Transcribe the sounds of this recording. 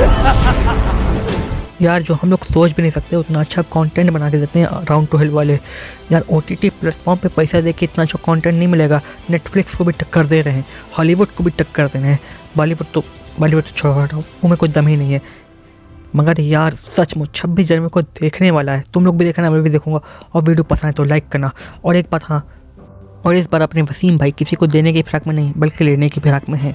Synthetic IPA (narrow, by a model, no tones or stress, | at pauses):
jaːɾd͡ʒoːɦɐmloːɡsoːt͡ʃbʱinɐɦĩsɐk̚t̪eɛʊt̪naɐtːʃʰakɔːɳʈɛ̃ːɳʈbɐnaːk̬ed̪eːt̪eɦɛ̰̃ʔɾãːʊ̃ɳɖʈuɦɛlʋaːlejaːɾoːʈiːʈiplɛːʈfɔːɾmpepɛɪsad̪eːkʰkeɪt̪natːʃʰakɔːɳʈɛ̃ːɳʈnɐɦĩmɪleːɡaːneːʈflɪkskobʱiʈɐkːəɾd̪eːɾɐɦẽːhɔːliʋʊɖkobʱiʈɐkːəɾd̪eːneɦɛ̃ːbaːliʋʊɖ̚t̪oɦaːliʋʊɖt͡ʃʰoɽakɐɾaomẽkʊt͡ʃʰd̪ɐmɦinɐɦĩɦɛː | mɐɡəɾjaːɾsɐt͡ʃmʊd͡ʒt͡ʃʰɐbʱːid͡ʒɐɾmẽkod̪eːkʰneʋaːlaɦɛt̪ʊmloːɡbʱid̪eːkʰnamẽbʱid̪eːkʰũːŋɡaɔːɾʋiːɖijopɐsãɦɛ̃t̪olaɪkːɐɾnaːɔːɾeːk̚baːt̪ɦãː | ɔːɾɪsbaːɾɐpneʋɐsiːmbʱaːikɪsikod̪eːnek̬ipʰɪɾaːkmẽnɐɦĩɦbɐlkeleːnekipʰɪɾaːkmẽɦɛ̃ː